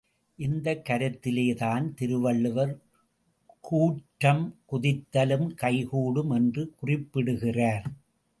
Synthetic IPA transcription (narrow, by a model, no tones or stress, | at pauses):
ʔɪnd̪ɐkːɐɾɐt̪ːɪleːt̪aːnt̪ɪɾɯʋɐɭːɯʋɐɾ | kuːʈːɐmkʊðɪt̪ːɐlɯmkɐɪɣuːɽɯmɛndrɯkʊrɪpːɪɽɯɣɪraːɾ